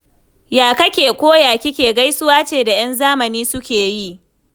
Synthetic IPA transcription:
jaː˨kɐ˦kʲeː˨kʷoː˦jaː˨kʲɪ˦kʲeː˨ɡa˦jsʊ˦waː˦t͡ʃeː˨da˨j̰ɐ˦nzaː˦mɐ˨niː˦sʊ˦kʲeː˨ji˦˨ʔ

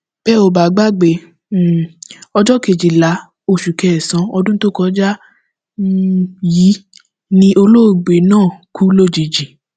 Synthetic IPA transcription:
b̥ɛ˦o˨ba˨˦ɡ͡ba˦ɡ͡be˨ | ɔ˧d͡ʒɔ˦ke˧˨d͡ʒi˨la˨˦ | o˧˨ʃu˨kɛ˨sã˨˦ɔ˧dũ˦to˦kɔ˧˦d͡ʒa˦ | ji˨˦ | nĩ˧ʔo˧lo˦˨ɡ͡be˨nãː˦˨ku˦lo˦˨d͡ʒi˨d͡ʒi˨

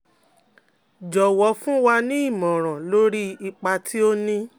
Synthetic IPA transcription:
d͡ʒɔ˨wɔ˨˦fũ˦wa˧nĩ˦i˦˨mɔ̃˨ɾ̃ã˨lo˦ɾi˦i˧k͡pa˧tʰi˦o˦nĩ˦

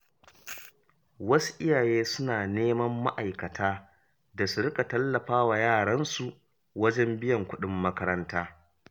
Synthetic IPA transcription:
wɐ˦su̥˦ʔɪ˦jaː˨jeː˦sʊ˦naː˨neː˦mɐ˦mːa̰˦ʔa˨jkɐ˨tʰaː˦ | da˨su˨ɽɪ˦kʼa˨tɐ˦lːɐ˨ɸaː˦wa˨jaː˦˨ɽɐ˦nsu˨ʔ | wɐ˦d͡ʒɛ˦mbɪ˦jɐ˨ŋkʷʊ˦ɗɪ˦mːɐ˦kɐ˦ɾɐ˦ntaː˦

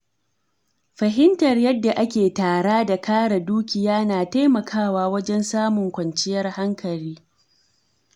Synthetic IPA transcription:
ɸɐ˨ɦɪ˦ntɐ˨rjɐ˦dːa˨ʔa˦kʲeː˨taː˨ɽaː˦da˨kaː˦ɽa˨duː˦kʲɪ˨jaː˦naː˨ta˦jmɐ˨kʰaː˦waː˦wɐ˦d͡ʒɛ˦nsaː˦mʊ˨ŋkʷɐ˨nt͡ʃɪ˦jɐ˦rha˦ŋkʰɐ˨ɽiː˦

